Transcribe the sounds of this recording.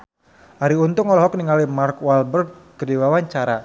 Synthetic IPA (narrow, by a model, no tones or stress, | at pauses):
haɾiunt̪ʊŋɔlɔɦɔk̚niŋalimarkwalbərɡ̚kədiwawaɲt͡ʃaɾa